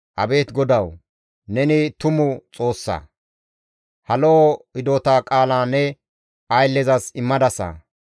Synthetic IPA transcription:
ʔɐbe̞ːt̪ɡɔd̪ɐw | nɛnɪt̪ʊmʊt͡sʼo̞ːsːa̰ | hɐloɪd̪oːt̪aːkʼaːlaːnɛ | ɐjlːɛzɐsɪmːɐd̪ɐsa̰ː

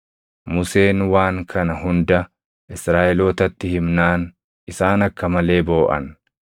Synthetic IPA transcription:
mʊse̞ːnwaːŋkʰɐnɐhʊnd̪ɐ | ʔɪsɾaːʔɛlo̞ːt̪ɐt̪ːɪhɪmnaːn | ɪsaːnɐkːɐmɐle̞ːbo̞ːʔɐ̰n

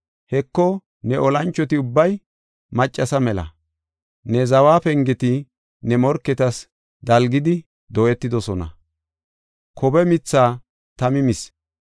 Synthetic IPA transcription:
hɛkːɔ | nɛʔɔlɐnt͡ʃːɔt̪ɪʊbːɐj | mɐt͡ʃʼːɐsɐmɛlɐ̰ | nɛzɐwaːpɛŋɡɛt̪ɪ | nɛmɔɾkːɛt̪ɐs | d̪ɐlɡɪd̪ɪ | d̪ɔʔɛt̪ːɪd̪ɔsɔnɐ̰ | kʰɔbɛmɪt͡sːaː | t̪ɐmɪmɪs

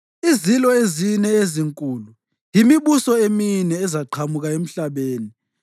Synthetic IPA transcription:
izilɔezinɛeziŋkʼuːlu | jimiɓusɔeminɛːzaǃʰamuɣ̬aem̩ɬaɓeːni

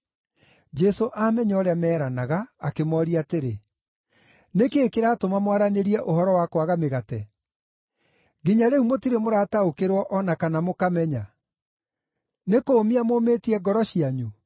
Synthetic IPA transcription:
d͡ʒɛsoʔamɛɲɔɾeamɛːɾanaɣaːkemɔɾiateɾe | nekeːkeɾaːtomamwaɾaneɾiɛʔohɔɾɔwakwaɣameɣatɛ | ɡiɲaɾeumotiɾemoɾaːtaokeɾwɔʔɔnakanamokamɛɲa | nekoːmiamoːmetiɛɡɔɾɔɕiaɲu

